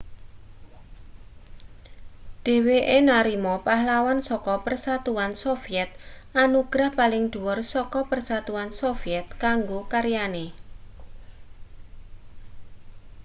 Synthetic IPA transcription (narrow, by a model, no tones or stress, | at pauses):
ɖ̪̥e̤weʔenaɾimɔpahlawansɔkɔpərsat̪uansofiɛt̪̚ʔanuɡ̥ɾahpalɪŋd̪̥ṳwɔrsɔkɔpərsat̪uansofiɛt̪̚kaŋɡokaɾjane